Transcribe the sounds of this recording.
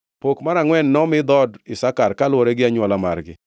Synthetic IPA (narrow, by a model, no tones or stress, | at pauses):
pokmaɾaŋwɛnːɔmɪd̪ɔdɪsakarkalwoɾeɡɪaɲwɔlama̰rɡɪ̰